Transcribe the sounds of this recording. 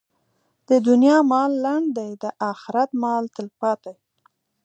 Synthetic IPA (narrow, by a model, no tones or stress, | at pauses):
d̪̥əd̪ʊnjɑmɑlːaɳɖd̪ajd̪əʔɑxɪɾat̪mɑlt̪əlpɑt̪aj